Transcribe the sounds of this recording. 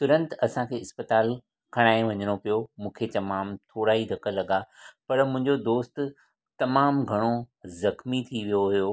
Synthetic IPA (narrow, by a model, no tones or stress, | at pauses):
t̪ʊɾə̃nt̪ɐsãkʰeːɪspət̪aːl | kʰɐɽ̃aːɪ̃ʋɐɲəɽ̃opijomũːkʰet͡ɕɐmaːmt̪ʰoːɾaːɦid̪ʱɐkʰəlːɐɠapɐɾmʊ̃ɦɪ̃ɲd͡ʑod̪oːst̪ | t̪ɐmaːmɡʱɐɽ̃ozɐxmit̪ʰiʋijoɦijo